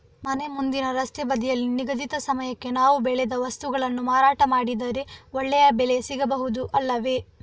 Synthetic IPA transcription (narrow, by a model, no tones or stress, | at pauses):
mɐne̞mund̪inɐɾɐst̪ɛbɐd̪ijɐlːiniɡɐd̪it̪ɐsɐmɐjɐkːe̞naːʋubɛɭed̪ɐʋɐst̪uɡɐɭɐnːumaːɾaːʈɐmaːɽid̪ɐɾeɔɭːɛjɐbɛle̞siɡɐbɐɦud̪uʔɐlːɐʋe̞